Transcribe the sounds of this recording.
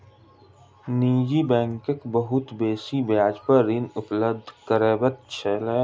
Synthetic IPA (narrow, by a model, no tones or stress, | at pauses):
niːd͡ʒibɛ̃ːŋkəkbəɦʊt̪beːsibjaːd͡ʒpəɾːɪnʊpləb̚d̪ʱkəɾeːbət̪̚t͡ʃʰele